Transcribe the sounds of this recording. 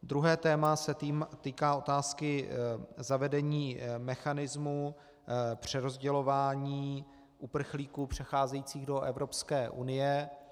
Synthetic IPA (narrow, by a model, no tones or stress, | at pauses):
d̪ɾuɦɛːt̪ɛːmasɛt̪iːmt̪iːkaːo̞t̪aːskɪ | zavɛdɛɲiːmɛxanɪzmu | pr̝̥ɛɾo̞zɟɛlo̞vaːɲiː | ʔupr̩xliːkupr̝̥ɛxaːzɛjiːt͡siːɣdo̞ʔɛvɾo̞pskɛːʔunɪjɛ